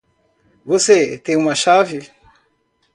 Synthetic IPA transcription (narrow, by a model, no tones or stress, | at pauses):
voset̪ẽũmaʃavi